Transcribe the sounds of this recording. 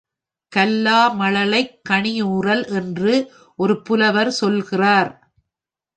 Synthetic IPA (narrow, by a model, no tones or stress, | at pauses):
kɐlːaːmɐɭɐlɐɪkːɐɳɪjuːrɐlʔɛndrɯ | ʔɔɾɯpʊlɐʋɐɾsɔlɣɪraːɾ